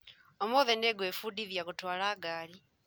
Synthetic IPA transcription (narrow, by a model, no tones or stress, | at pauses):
omoðeneɡwefudiðjakutwaːlaːɡaːli